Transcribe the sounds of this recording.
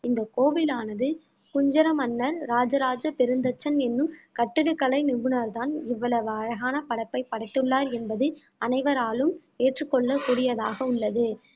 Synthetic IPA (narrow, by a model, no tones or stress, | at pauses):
ɪnd̪ɐkoːbɪlaːnɐðɯ | kʊɲd͡ʒɐɾɐmɐnːɐɾːaːd͡ʒɐɾaːd͡ʒɐpɛɾɯnd̪ɐt͡ʃːɐnɛnːɯmkɐʈːɪɽɯkːɐɭɐɪnɪbɯnɐɾðaːnɪʋːɐɭɐʋɯɐɻɐɣaːnɐpɐɽɐɪpːɐɪpːɐɽɐɪt̪ːɯɭːaːɾɛnbɐðɯ | ɐnɐɪʋɐɾaːlɯm | eːʈrɯkːɔɭːɐkuːɽɪjɐðaːɣɐʊɭːɐðɯ